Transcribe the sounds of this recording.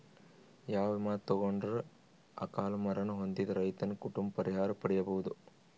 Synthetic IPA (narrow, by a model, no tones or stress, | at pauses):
jaːʋemaːt̪ːɐɡoɳɖɐɾu | ɐ̰kaːlɐmɐɾɐnuɦond̪id̪ɐɾɐjt̪ɐnkuʈumbpɐɾʔiɦaːɾɐpɐɽɛjɐbɐʋud̪u